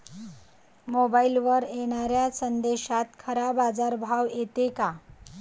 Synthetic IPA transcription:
mobailʋəɾeɽ̃aɾjasənd̪eɕat̪kʰəɾabad͡zaɾbʱawet̪eka

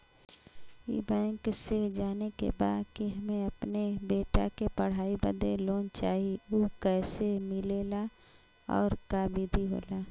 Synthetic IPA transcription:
ḭbaːɪŋksed͡ʒaːnekḛba̰ːd̪kiɦɐmẽɐpnebeːʈa̰kepɐɽ̤aːibə̰d̪eloːnt͡ʃaːɦioːkɛːsemɪleːla | ɔ̰ːɾkaːbiːd̪ʱiɦo̰ːlaː

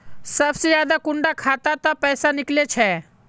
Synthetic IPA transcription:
səbsijaːd̪akʊɳɖakʰaːt̪at̪apəːsanɪklet͡ʃʰe

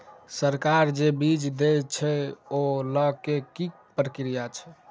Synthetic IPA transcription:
səɾkaɾd͡ʒebid͡ʒd̪et͡ʃʰɛoləɡkeki | pɾəkɾijat͡ʃʰɛ̥

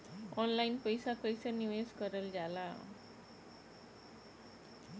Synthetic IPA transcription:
ɔnlainpəjsakəjsəniʋeskəɾəld͡zala

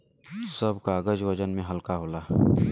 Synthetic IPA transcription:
sɐbkaːɡəd͡ʒwɐd͡ʒənmẽɦɐlkaɦoːlaː

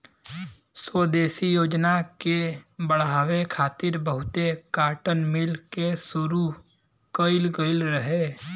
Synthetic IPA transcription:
swod̪eːsijoːd͡ʒnakebəɽɦaːwekʰaːt̪ɪɾbəɦʊt̪ekaːʈənmɪlkesʊɾu | kəɪlɡəɪlɾəɦeː

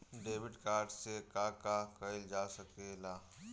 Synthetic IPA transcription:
ɖeːʋɪɖkaːɾɖsekakakəɪld͡ʒaːsɐkelaː

